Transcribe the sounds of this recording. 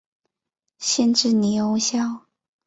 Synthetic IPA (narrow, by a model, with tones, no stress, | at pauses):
ɕjɛ˥˧nʈ͡ʂɻ̩˥˩ni˨˩jo˧˥ʊɕjɑ˥˩ʊ